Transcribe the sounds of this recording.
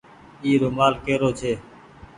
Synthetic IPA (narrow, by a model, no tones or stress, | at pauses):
iːɾomaːlkeːɾoːt͡ʃʰeː